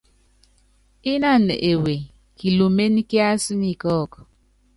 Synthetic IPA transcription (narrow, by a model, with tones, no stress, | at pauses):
i˦na˦˨n˨e˨we˨ | ki˨lu˨me˦ni˦ke˦a˦su˦ni˦kɔ˦˨kɔ̥˨